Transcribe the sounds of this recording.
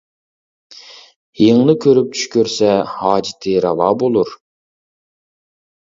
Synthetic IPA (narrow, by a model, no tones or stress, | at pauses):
jeŋnɨkʲʰøɾyp̚t͡ʃʰy̥ʃkʲøɾsɛhɑːd͡ʒɪt̪ʰɨɾɑvɑːbolˠuɾ